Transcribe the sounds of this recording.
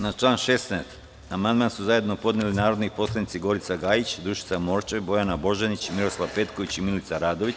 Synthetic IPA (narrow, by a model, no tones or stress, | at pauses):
nat͡ʃlˠaːnʃe̞st̪nɛːst̪ | amand̪mansuzaje̞d̪no̞po̞d̪nelinaːɾo̞d̪nipo̞slˠanit̪siɡo̞ɾit̪saɡaːjit͡ɕd̪ɾuʃi̥t̪samo̞ɾt͡ʃebo̞janabo̞ʒenit͡ɕimiɾo̞slˠaʋpe̞t̪ko̞ʋit͡ɕimilit̪saɾaːd̪o̞ʋi